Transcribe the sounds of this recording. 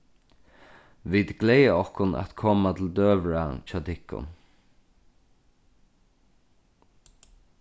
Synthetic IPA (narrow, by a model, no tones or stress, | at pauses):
ʋid̪ɡlejəɔhkʊna̰t̪kʰɔːmat̪ʰɪld̪øːʋɹat͡ʃat̪ʰɪkʊ̰n